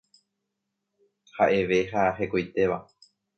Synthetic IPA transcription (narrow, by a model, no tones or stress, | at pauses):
haʔe̞ʋe̞ɦaɦe̞kojt̪e̞ʋa̰